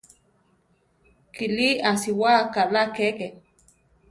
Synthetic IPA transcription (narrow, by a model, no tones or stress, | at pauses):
kiliasiwakalakeke